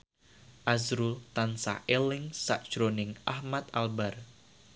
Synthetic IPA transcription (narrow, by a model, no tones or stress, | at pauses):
ʔazɾut̪ansa̰hʔelɪŋsa̰ʔd̥ʒ̥ɾonɪŋʔahmat̪̚albar